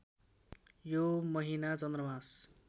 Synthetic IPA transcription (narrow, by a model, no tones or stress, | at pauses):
jomʌɦinat͡sʌnd̪rʌmas